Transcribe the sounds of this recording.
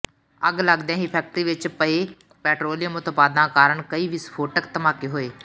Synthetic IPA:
əɡləɡd̪ãːɦiːpʰɛːk̚ʈɾiːʋɪt͡ʃpəeː | pɛːʈɾoːlɪjəmʊt̪paːd̪nãːkaːɾəɳkəiːʋiːspʰoːʈəkt̪əmaːkiɦoːeː

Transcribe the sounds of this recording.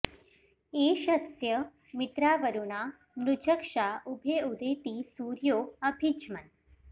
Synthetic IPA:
eɕəsjə | mit̪ɾaʋəɾuɳa | mɾud͡ʑəkʂaʔubʱeud̪et̪iːsuːɾjoəbʱit͡ʃmən

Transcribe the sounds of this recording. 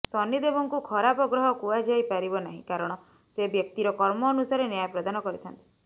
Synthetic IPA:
sɔnid̪ebɔŋkukʰɔɾapɔɡɾɔɦɔkuad͡ʒajpaɾibɔnaɦḭ̃kaɾɔɽ̃ɔ | sebjɔk̚t̪iɾɔkɔɾmɔːnusaɾenjajpɾɔd̪anɔkɔɾit̪ʰant̪i

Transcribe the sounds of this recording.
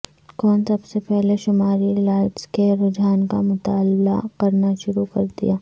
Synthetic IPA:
kɔːnsɐbsepɛɦleʃʊmaːɾilaːɪʈskeɾʊd͡ʒaːnka̰mʊt̪aːlba̰kɐɾnaʃʊɾukɐɾd̪ḭjaː

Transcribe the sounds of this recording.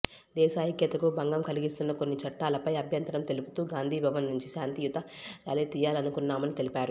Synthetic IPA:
d̪ɛːʃaːɦikjɐt̪ɐkubɐŋɡɐmkɐliɡist̪unːɐko̞nːit͡ʃɐʈːaːlɐpɐjɐbʱjɐnt̪ɐɾɐmt̪e̞lupu̥t̪uːɡaːnd̪ʱiːbʱɐʋɐnːuɲt͡ʃiʃaːnt̪ijut̪ɐɾaːliːt̪ijaːlɐnukunːaːmɐnit̪e̞lipaːɾu

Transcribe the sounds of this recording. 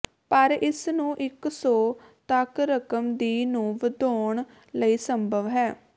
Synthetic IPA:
pəɾɪsnũːʔɪksɔː | t̪əkɾəkəmd̪iːnũːʋəd̪oːɳ | ləiːsəmbʱəʋɦɛː

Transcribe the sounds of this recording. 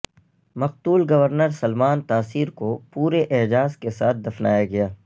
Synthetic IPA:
mɐq̚t̪uːlɡɐʋəɾnəɾsɐlmaːnt̪aːsiːɾkopuːɾeʔeɦd͡ʒaːzkesaːt̪̚ʰd̪ɐfna̰ːjaɡɐjaː

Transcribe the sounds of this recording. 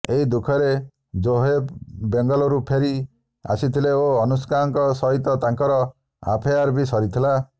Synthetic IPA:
eɦid̪ukʰɔɾe | d͡ʒoɦebbeŋɡɔlɔɾupʰeɾi | a̰sit̪ʰileoɔnus̬kaɾɔŋkɔsɔɦit̪ɔt̪aŋkɔɾɔ | a̰pʰeaɾbisɔɾit̪ʰila

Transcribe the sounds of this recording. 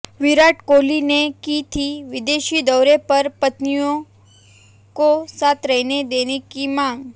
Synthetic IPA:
ʋɪɾaʈkolinekit̪ʰiʋɪd̪eʃid̪əwɾepəɾpət̪nijõ | kosat̪ʰɾəɦned̪enekimãŋɡ

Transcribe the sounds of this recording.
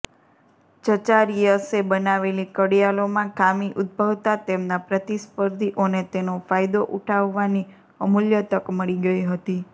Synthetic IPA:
t͡ʃət͡ʃaɾijəsebənaʋelikəɽijalomãkamiʔʊd̪̚bʱəʋt̪at̪emnapɾət̪ispəɾd̪ʱiʔonet̪enofajd̪oʔuʈʰaʋːani | əmuljət̪əkməɭiɡəiɦət̪i

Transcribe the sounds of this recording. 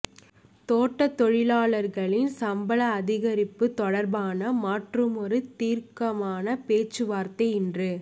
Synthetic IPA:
t̪oːʈːɐt̪ːɔɻɪlaːɭɐɾɣɐɭɪnsɐmbɐlɐːðɪɣɐɾɪpːɯt̪ɔɽɐɾbaːnɐmaːʈrɯmɔɾɯt̪iːɾkɐmaːnɐpeːt͡ʃːɯʋaːɾt̪ɐɪɪndrɯ

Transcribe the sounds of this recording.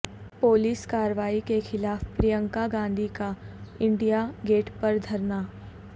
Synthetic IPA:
poːliːskaːɾʋaːikexɪlaːfpɾijə̃ŋkaɡãːnd̪ʱikaɪ̃ɳɖijaɡeːʈpɐɾd̪ʱɐɾnaː

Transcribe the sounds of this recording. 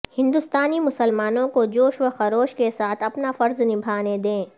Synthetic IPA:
hɪ̃nd̪ʊst̪aːnimʊsəlmaːnõkod͡ʒoːʃʋəxɐɾoːʃkesaːt̪ʰɐpnafɐɾznɪbʱaːned̪ẽː

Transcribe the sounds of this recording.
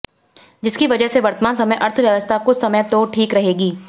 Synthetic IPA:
d͡ʒɪskiʋɐd͡ʒəɦseʋɐɾt̪əmãːnsɐməjʔɐɾt̪ʰʋjəʋəst̪ʰakʊt͡ʃʰsɐməjt̪oʈʰiːkɾɐɦeːɡiː

